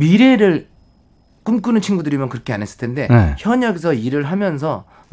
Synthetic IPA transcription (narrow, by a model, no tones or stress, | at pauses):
miɾe̞ɾɯɭ | k͈umk͈ɯnɯnt͡ɕʰinɡudɯɾimjʌnkɯɾʌkʰeanɦe̞s͈ɯ̥ɭtʰende̞neçjʌɲʌɡes̬ʰʌiɾɯɭɦamjʌnsʰʌ